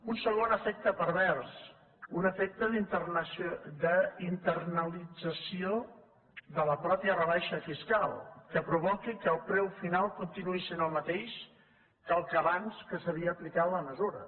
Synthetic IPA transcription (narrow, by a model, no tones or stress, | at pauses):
unsəɣonəfek̚t̪əpəɾβɛrs | unəfek̚t̪əðisd̪əint̪ərnəlid͡zəsio | ðələpɾɔpjərəβaʃəfiskalˠkəpɾuβɔkikəːlˠpɾɛwfinalˠkunt̪inuisenəlˠmət̪eʃ | kalˠkəβanskəsəβiəːplikat̪ləməzuɾə̰